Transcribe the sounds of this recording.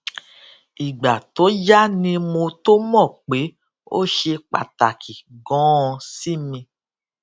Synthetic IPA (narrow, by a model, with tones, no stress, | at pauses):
i˨ɡ͡ba˨to˨˦d͡ʒa˦nĩ˧mo˧to˦mɔ̃˦˨k͡pe˨˦ | o̰˦ʃe˧k͡pa̰˨ta˨kʰi˨ɡɔ̃˨˦˧si˦mĩ˧